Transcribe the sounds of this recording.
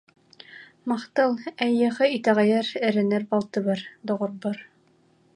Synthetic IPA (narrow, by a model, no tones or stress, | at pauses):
mɑχt̪ɤlˠæjːɑ̆ʁɤit̪æʁæjæɾɘ̆ɾɘ̆nɘɾbɑlˠt̪ɤ̆βɑɾd̪ŏʁŏɾbɤɾ